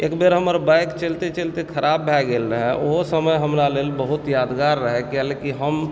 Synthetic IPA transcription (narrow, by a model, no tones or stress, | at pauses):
eːkbeɾɦəməɾbajkt͡ʃelt̪et͡ʃelt̪ekʰəɾʔaːbːʱɛɡelɾəɦɛ̃ʔoɦsəməjɦəmɾaleːlbəɦʊt̪jaːd̪ɡaɾːəɦɛkɛlekiɦəm